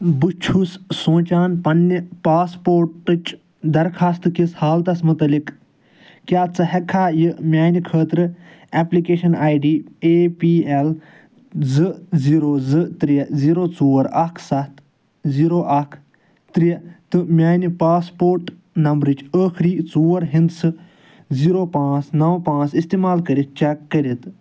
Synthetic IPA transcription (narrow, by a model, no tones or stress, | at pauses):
bɨt͡ʃʰussõːt͡ʃaːnpɐnːipaːspoːɾʈɨt͡ʃ | d̪ɐɾkʰaːst̪kishaːlt̪ɐsmut̪ɐlik | kʲaːt͡sɨɦɛkʰaːjɨmʲaːnikʰəːt̪ɾɨ | ɛplikeːʃɐnaːjɖiːeːpiːel | zɨziːɾoːzɨt̪ɾiɐziːɾoːt͡suːɐɾɐkʰsɐt̪ʰ | ziːɾoːʔɐkʰ | t̪ɾit̪ɨmʲaːnipaːspoːɾʈ | nɐmbɾɨt͡ʃʰəːkʰɾiːt͡suːɐɾɦĩnd̪sɨ | ziːɾoːpãːt͡snɐwpãːt͡sist̪eːmaːlkɐɾit̪̚t͡ʃɛkːəɾit̪